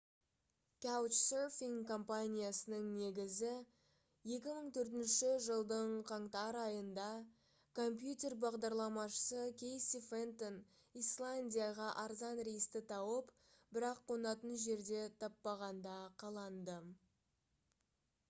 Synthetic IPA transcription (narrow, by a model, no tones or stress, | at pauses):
kʲawt͡ʃsofiŋko̞mpanʲijasənəŋne̞ɡʲɪzɪ | je̞kʲɪməɴt̪ʰɵɾt̪̬ɪnʃɪʒəlˠd̪əɴqʰɑɴt̪ɑɾɑjənd̪ɑ | kʰo̞mpjut̪ʲe̞rbɑʁd̪ɑɾlˠɑmɑʃə̥səkʲʰe̞jsifent̪on | islˠanʲdʲijaʁɑʔɑɾzɑnɾejst̪ɪt̪ʰɑwəp | bɪɾɑqʰːo̞nɑt̪ənʒe̞ɾd̪e̞t̪ʰɑpːɑʁɑnd̪ɑqʰɑlˠɑnd̪ə